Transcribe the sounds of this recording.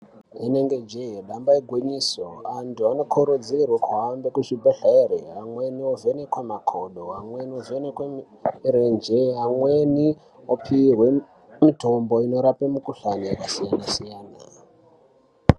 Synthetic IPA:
ɦeneŋɡe̞d͡ʒeɦeɗambaeɡʱwiɲisoantuanokʰoɾod͡zirwakuɦambekut͡ʃibʱaɬaeɾeɦaŋwe̞niovenekwemakʰoɗoɦamweniovenekwe | ɾend͡ʒeɦamwe̞ni | opʰirwe̞ | mito̞mbo̞ino̞ɾapemukuɬaniekasijanasijaːna

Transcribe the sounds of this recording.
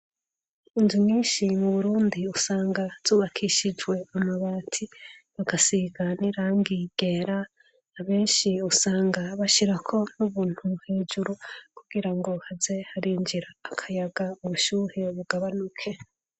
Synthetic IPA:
inzimɲiːnʃimuβuɾuːndiusaːŋɡaz̥uːβakʰiʃid͡ʒɡwe̞amaβaːtʰiβaɡasiɡaniɾaːŋɡiɡ̥e̞ɾaː | βe̞ːnʃiusaːŋɡaβaʃiɾakʰo̞nuβuːn̥huheːd͡ʒuɾukuɡ̥iɾaŋɡo̞haze̞haɾiːnd͡ʒiɾaːkʰajaɡamuβuʃuːɾeβuɡaβanukʰe̞

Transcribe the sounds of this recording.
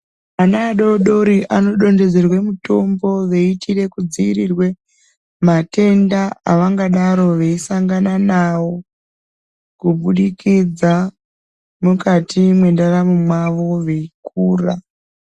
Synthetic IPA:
anaːɗoɗo̞ɾiʔano̞ɗo̞nde̞d͡ze̞rwe̞muto̞mbo̞ʋeitire̞kud͡ziirirwe̞ | mate̞ndaaʋaŋɡaɗaɾo̞ʋeisaŋɡananawo̞ | kuɓuɗikid͡za | mukatimwe̞ndaramumwaʋo̞ʋe̞ikuːra

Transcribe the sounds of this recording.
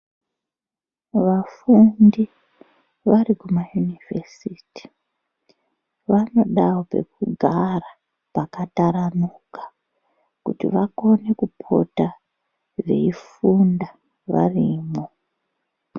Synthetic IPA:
ʋafundi | ʋarikumajunivesiti̥ | ʋano̞ɗawope̞̰kuɡʱara | pakataɾamukḁ | kutḭʋako̞ne̞kupʰo̞̰ta | ʐe̞̰ifunda | ʋa̰riːmo

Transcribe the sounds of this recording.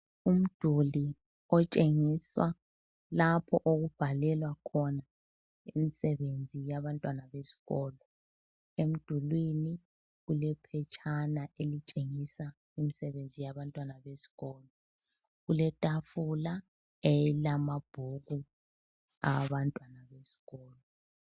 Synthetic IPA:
um̩d̥ʱuli | ɔt͡ʃʼeŋiswa | lapʰɔʔoɣub̥ʱalɛlwakʰɔna | emisɛβend͡zʱijaβantʼwanaβesi̥ɣɔːlɔ | em̩d̥ʱulwini | ɣulɛpʰɛt͡ʃʼʰanaʔelit͡ʃʼeŋisa | imisɛβend͡zʱijaβantʼwanaβesi̥ɣɔːlɔ | ɣulɛtʼafula | ɛlamab̥ʱuɣu | a̰βantʼwanaβesi̥ɣɔːlɔ

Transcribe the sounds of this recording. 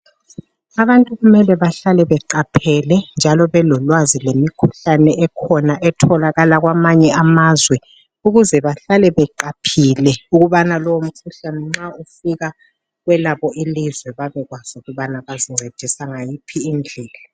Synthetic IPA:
aβantʼuɣumɛlɛβaɬalɛβɛǃapʰɛlɛnd͡ʒʱalɔβɛlɔlwazilemikʰuɬanɛʔɛkʰɔnaʔɛtʰɔlaɣalaɣwamaɲɛamazwɛ | uɣuzɛβaɬalɛβɛǃapʰilɛuɣuβanalɔwom̩kʰuɬanɛŋ͡ǁaufiɣa | ɣwɛlaβɔilizwɛβaβɛɣwaz̥uɣuβanaβaziŋ͡ǀʱed̥ʱisaŋajipʰiːnd͡ɮʱɛːla

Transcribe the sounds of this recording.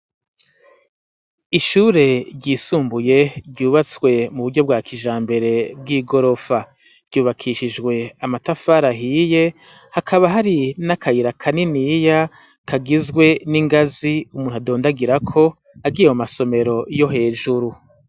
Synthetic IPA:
iʃuːɾe̞ɾɟiːsuːmbuje̞ɾɟuːβat͡swe̞muβuɾɟo̞b̚ɡwaːkʰiʒaːmbe̞ɾe̞b̚ɡiːɡo̞ɾo̞fḁ | ɟ̥uːβakʰiʃiʒɡwe̞amatafaɾaɦiːje̞ | hakʰaβaɦaɾinakʰajiɾakʰaninija | kʰaɡizɡwe̞niŋɡaziumuːn̥uado̞ːndaɡiɾakʰo̞ | aɡijemumaso̞me̞ɾo̞jo̞ɦe̞ːʒuɾu

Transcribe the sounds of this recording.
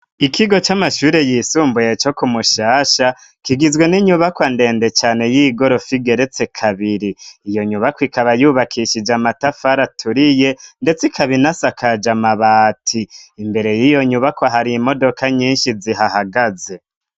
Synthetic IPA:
ikʰiɡo̞t͡ʃamaʃuːɾe̞jiːsuːmbujet͡ʃo̞kumuʃaːʃa | kiɡizɡwe̞niɲuβakwande̞ːnde̞t͡ʃaːne̞jiɡo̞ɾo̞fiɡe̞ɾet͡se̞kʰaβiɾiːjo̞ɲuβakwikaβajuːβakʰiʃid͡ʒamatafaɾatʰuɾije̞nde̞t͡sikʰaβinasakad͡ʒamaβaːtʰiːmbe̞ɾe̞jijo̞ɲuβakwaɦaɾiːmo̞do̞kʰaɲiːnʃiziɦahaɡaze̞

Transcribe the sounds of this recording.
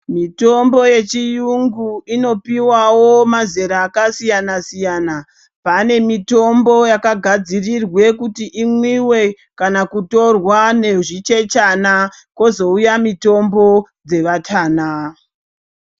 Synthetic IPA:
mito̞mbo̞je̞t͡ʃijuŋɡuino̞piwawomaze̞ɾaːkasijanasijana | pane̞mito̞mbo̞jakaɡʱad͡zirirwe̞kutiʔimwiwe̞ | kanakuto̞rwane̞ʐit͡ʃe̞t͡ʃana | ko̞zo̞ujamito̞mbo̞ | d͡ze̞ʋatʰaːna

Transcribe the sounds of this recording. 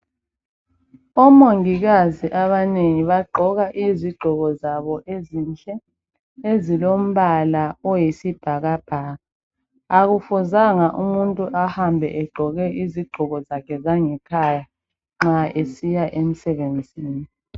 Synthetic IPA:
ɔmoŋiɣaziʔaβaneŋiβaɡ͡ǃʱɔɣaʔiziɡ͡ǃʱɔɣɔzaβɔʔezint͡ɬʼɛ | ezilom̩βalaɔjisib̥ʱaɣab̥ʱaːɣa | aɣufuzaŋaʔumuntʼuʔahambʱɛ̰ʔɛɡ͡ǃʱɔɣɛʔiziɡ͡ǃʱɔɣɔzakʰɛzaŋɛkʰaja | ŋ͡ǁaʔesijaʔem̩sɛβend͡zʱiːni

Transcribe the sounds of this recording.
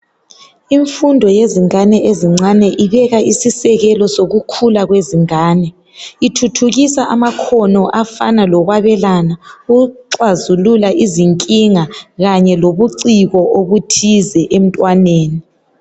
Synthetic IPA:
iɱfundʱɔjeziŋanɛʔeziŋ͡ǀanɛʔiβɛɣaʔisisɛɣɛlɔsoɣukʰulaɣweziŋaːnɛ | itʰutʰuɣisaʔamakʰɔnɔʔafa̰nalɔɣwaβɛlanauɣuǁwazululaʔiziŋkʼiŋaɣaɲɛloβuǀiɣɔʔoβutʰizɛʔem̩tʼwaneːni

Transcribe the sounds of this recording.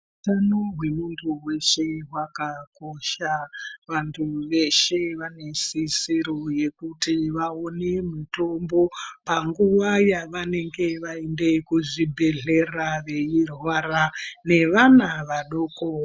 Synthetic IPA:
utanoɦwe̞muntʰuwe̞ʃe̞wakakoʃaʋantʰuʋe̞ʃe̞ʋane̞sisiɾoje̞kutiʋaonemito̞mbo̞paŋɡuʋajaʋane̞ŋɡe̞ʋaende̞kuʐibʱe̞ɮe̞raʋe̞irwaɾane̞ʋanaʋaɗo̞ːko

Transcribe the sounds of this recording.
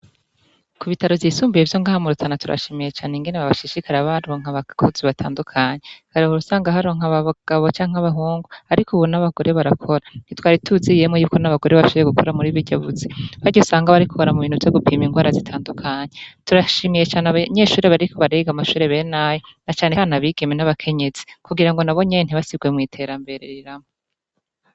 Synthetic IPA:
kʰuβitaɾo̞vjiːsuːmbijevjo̞ŋɡaːhamuɾutʰanatuɾa̰ʃimije̞t͡ʃaːneŋɡe̞neβaβaʃiʃikʰaɾaβaɾoŋ̥aβakʰoziβatʰa̰ːndukʰaɲekaɾohoɾusaːŋɡaɦaɾoːŋ̥aβaɡ̥aβo̞t͡ʃaːŋaβaɦuːŋɡuaɾikʰuβunaβaɡo̞ɾʔe̞βaɾakʰo̞ɾanitwaːɾitʰuzijemojuːkonaβaɡo̞ɾe̞βaʃoβejeɡukʰo̞ɾamuɾiβiɟaβuziβaɟosaːŋɡaβaɾikʰuoɾamuβiːnhuvjoɡupʰiːmiŋɡwaːɾazitʰaːndukʰaɲetuɾaʃiːmije̞t͡ʃaːneaβaɲe̞ːʃuːɾeβaɾikʰoβaɾeɡamaʃuːɾe̞βe̞ːnajonat͡ʃaːneanaβiːɡ̥emenaβakʰe̞ɲe̞zi̥kuɡiɾaŋɡo̞naβo̞ɲen̥iβasib̚ɡwe̞mŋiːtʰe̞ɾambe̞ɾeɾiɾamo

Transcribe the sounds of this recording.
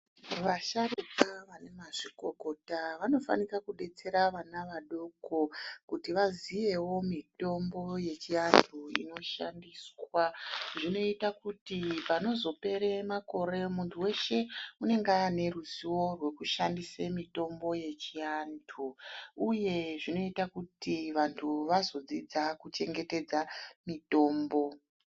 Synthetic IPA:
ʋaʃaɾukaʋane̞maʐiko̞ko̞taʋano̞fa̰nikakuɗe̞t͡se̞ɾaʋanaʋaɗo̞ko̞kutiʋaziʋe̞wo̞mito̞mbo̞je̞t͡ʃiantʰuḭno̞ʃa̰ndiːswaʐino̞itakutipano̞zo̞pe̞ɾemako̞ɾe̞muntʰuwe̞ʃe̞une̞ŋɡane̞ruziwo̞rwe̞kuʃandisemito̞mbo̞je̞t͡ʃiantʰuuje̞ʐino̞itakutiʋantʰuʋazo̞d͡zid͡zakut͡ʃe̞ŋɡe̞te̞d͡zamito̞ːmbo̞

